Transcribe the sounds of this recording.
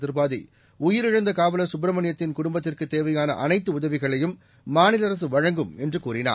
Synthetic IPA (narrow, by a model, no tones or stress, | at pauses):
ðɪɾɯbaːðḭ | ʊjɪɾɪɻɐnd̪ɐkaːʋɐlɐsʊbɾɐmɐɳɪjɐt̪ːɪnkʊɽʊmbɐt̪ːɪrkɯt̪ːeːʋɐjaːnɐʔɐnɐɪt̪ːɯʊðɐʋɪɣɐɭɐjɯmː | aːnɪlɐɾɐs̬ɯʋɐɻɐŋɡɯmɛndrɯkuːrɪna̰ː